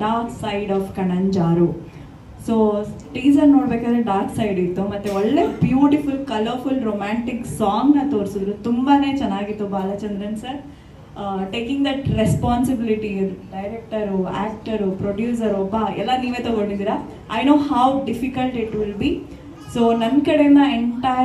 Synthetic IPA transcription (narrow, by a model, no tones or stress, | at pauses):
ɖaːɾksajɖɔːfkɐɳɐɲd͡ʒaːɾu | soːʈiːd͡ʒɐɾnoːɽbeːkaːd̪ɾeɖaːɾksɐjɖit̪ːumɐt̪ːeɔɭːeːbjuːʈifulkɐlɐɾfulɾoːmaːɳʈiksaːŋɡnɐt̪oːɾsud̪ɾut̪umbane̞ːt͡ʃɛnːaːɡit̪ːubaːlɐt͡ʃɐnd̪ɾɐnsɐɾ | ʈeːkĩŋɡd̪ɐʈɾespaːnsibiliʈiɖɐjɾek̚ʈɐɾua̰ːk̚ʈɐɾupɾoɖjuːs̬ɐɾɔbːɐɛlːɐniːʋeːt̪ɔɡoɳɖid̪iːɾa | ɐjnoːɦɐwɖifikɐlʈiʈʋɪlbi | soːnɐnkɐɽenːɐeɳʈa